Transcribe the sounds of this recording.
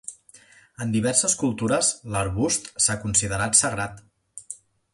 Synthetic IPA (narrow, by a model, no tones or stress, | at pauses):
ənd̪iβɛɾsəskulˠt̪uɾəsləɾβust̪sakunsiðəɾat̪sərat̪